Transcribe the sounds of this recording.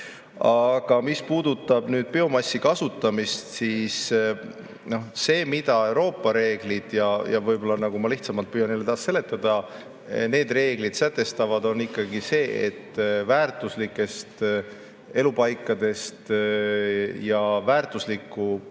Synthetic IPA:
ɑɡ̥ɑmispuːd̪̥ut̪ːˑɑb̥nyːd̪̥̚peo̞mɑsʲːikɑsut̪ˑːɑmist̪siːs | no̞hse̞ːmid̪̥ɑe̞wɾo̞ːpːˑɑɾe̞ːɡ̥lid̪̥jɑjɑ̰vɤjbo̞lːɑnɑɡ̥umɑliht̪sɑmɑlt̪̚pyːjɑnelːet̪ɑːsse̞le̞t̪ːˑɑd̪̥ɑ | ne̞ːd̪re̞ːɡ̥lid̪̥sæt̪ːˑe̞st̪ɑvɑd̪o̞nikːɑɡise̞ːḛt̪ːvæːrt̪ˑuslikːˑe̞st̪ | e̞lupɑjkːˑɑd̪e̞st̪ | jɑvæːrt̪ˑuslikːˑu

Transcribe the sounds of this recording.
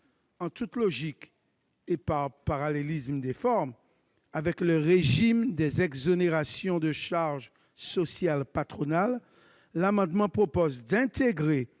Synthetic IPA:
ɑ̃t̪ut̪lɔʒik | epaʁpaʁalelismd̪ɛfɔʁm | avɛkləʁeʒimd̪ɛzɛɡzoneʁasjɔ̃d̪əʃaʁʒ | sɔsjalpat̪χɔnalː | amɑ̃d̪mɑ̃pχopozd̪ɛ̃t̪eɡʁe

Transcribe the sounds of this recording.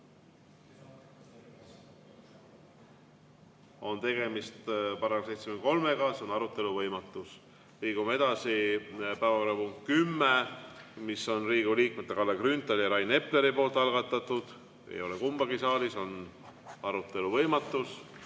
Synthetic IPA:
o̞nt̪e̞ɡ̥e̞mist̪pɑɾɑksejt̪semend̪ko̞lmeɡɑseonɑɾut̪ːˑe̞luvɤjmɑt̪ˑːus | liːɡ̥umee̞d̪̥ɑsipæːvɑkoɾɑpuŋt̪̚kymːemisːo̞nriːɡ̥uliːk̚met̪ːˑe̞kɑlːekrynt̪ˑɑljɑɾɑjne̞pːle̞ɾipo̞ːlt̪ˑɑlɡɑt̪ːˑɑt̪ːud̪̥ | ḛjo̞lekumb̥ɑɡisɑːliso̞n | ɑɾut̪ːˑe̞luvɤjmɑt̪ːˑus

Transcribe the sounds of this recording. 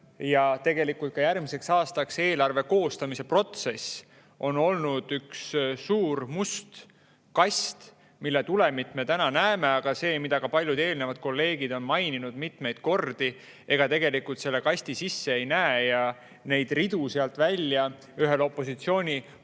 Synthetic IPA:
jɑt̪e̞ɡ̥e̞likult̪̚kɑjærmise̞ksɑːst̪ɑkse̞ːlɑrve̞ko̞ːst̪ɑmise̞pro̞t̪se̞s | ʔo̞no̞lnud̪̥ykssuːɾmust̪ | kɑsʲt̪ | milːet̪ule̞mit̪ːme̞t̪ænɑnæeme̞ɑɡ̥ɑse̞ːmid̪̥ɑɡ̥ɑpɑlʲjud̪e̞ːlne̞vɑd̪̥̚ko̞lːe̞ːɡ̥id̪o̞nmɑjninud̪mit̪me̞jd̪̥ko̞rd̪̥i | e̞ɡ̥ɑt̪e̞ɡ̥e̞likːult̪se̞lːe̞kɑsʲt̪isisːe̞ejnæːjɑ | ne̞jd̪̥rid̪̥useɑlt̪vælʲːjɑ | yɦe̞lo̞pːˑo̞sit̪sio̞ːnʲi

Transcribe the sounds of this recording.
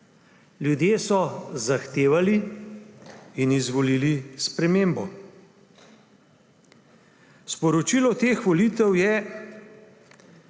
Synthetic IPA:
ljud̪jeːsɔzaxt̪eːʋali | inizʋɔliːlispɾɛmeːmbɔ | spɔɾɔt͡ʃilɔt̪eːxʋɔliːt̪ɛwjɛ

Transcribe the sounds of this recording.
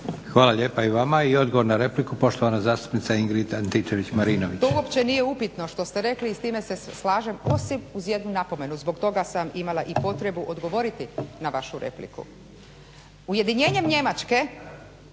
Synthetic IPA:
xʋaːlˠaʎeːpaiʋamaio̞d̪ɡoʋo̞ɾnaɾe̞plikupo̞ʃt̪oʋanazaːst̪u̥pnit̪saiŋɡɾit̪ant̪it͡ʃeʋit͡ɕmaɾinoʋit̪ouopt͡ɕe̞nijeupit̪no̞ʃt̪o̞st̪eɾe̞kliːst̪iːmeseslaːʒe̞mo̞simuzje̞d̪nunapo̞me̞nuzbo̞kt̪o̞ɡasamimalˠaʔipo̞t̪ɾe̞buʔo̞d̪ɡo̞ʋo̞ɾit̪inaʋaʃuɾḛplḭkṵ | uje̞d̪iɲe̞ːɲe̞mɲe̞mat͡ʃke̞

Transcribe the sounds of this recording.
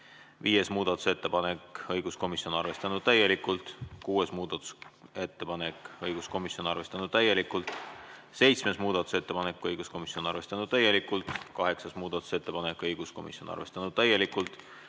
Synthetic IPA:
viːje̞smuːd̪̥ɑt̪ːˑu̥se̞t̪ːe̞pɑnekɤjɡ̥usko̞misjo̞nɑrve̞st̪ɑnud̪̥̚t̪æjːe̞likːˑult̪kuːesmuːd̪̥ɑt̪ːˑu̥se̞t̪ːepɑnekˑɤjɡ̥usko̞misjo̞nɑrve̞st̪ɑnud̪̥̚t̪æjːe̞likːˑult̪ˑ | se̞jt̪sme̞smuːd̪̥ɑt̪ːˑu̥se̞t̪ːe̞pɑnekːˑɤjɡ̥usko̞misio̞nɑ̰rve̞st̪ɑnud̪̥t̪æje̞likːˑult̪kɑɦe̞ksɑsmuːd̪̥ɑt̪ˑu̥se̞t̪ːe̞pɑnekːˑɤjɡ̥usko̞mḭsjo̞nɑ̰rve̞st̪ɑnud̥̪̚t̪æje̞likult̪ˑ

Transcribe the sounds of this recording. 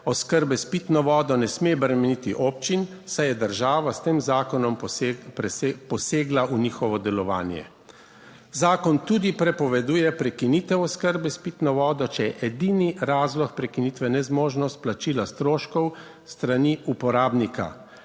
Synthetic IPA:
ɔskəɾbɛspit̪nɔʋɔːd̪ɔnɛsmebɾɛmɛnit̪iʔoːp̚t͡ʃinsajɛd̪əɾʒaːʋast̪eːmzaːkɔnɔmpɾpɔseːɡlaʔunixɔʋɔd̪ɛlɔʋa̰ːnjɛ̰ | zaːkɔnt̪uːd̪ipɾɛpɔʋɛd̪uːjɛpɾɛkinit̪ɛwɔskəɾbɛspit̪nɔʋɔːd̪ɔt͡ʃɛjɛʔɛd̪iniɾaːzlɔxpɾɛkiniːt̪ʋɛnɛzmoːʒnɔst̪̚plat͡ʃiːlast̪ɾoːʃkɔw | st̪ɾaniupɔɾaːbnika̰

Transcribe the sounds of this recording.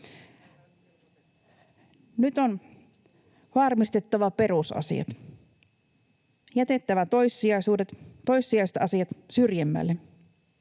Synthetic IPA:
nyt̪on | hɑrmist̪e̞t̪ːɑʋɑpe̞ɾusɑ̰sḭɑ̰t̪ | jæt̪e̞t̪ːæʋæt̪ojsːiɑjsuːdet̪t̪ːo̞jsːiɑiset̪ɑsiɑt̪syrjæmːæ̰lːe

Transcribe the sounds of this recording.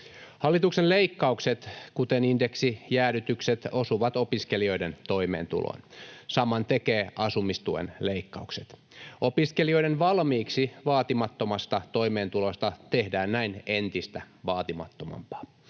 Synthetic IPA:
hɑlːit̪uksenleikːɑukset̪kut̪eninde̞ksijæːɾyt̪ykset̪o̞suʋɑt̪o̞piske̞lio̞ident̪o̞ime̞̰ːnt̪ṵlo̰nsɑmɑnt̪ekeːʔɑsumist̪uḛnleikːɑukset̪ | opiskelio̞idenʋɑlmiːksiʋɑːt̪imɑt̪ːo̞mɑst̪ɑt̪o̞ime̞ːnt̪ulost̪ɑt̪ehdæːnnæinent̪ist̪æ | ʋɑːt̪imɑ̰t̪ːomɑ̰mpɑ̥ː

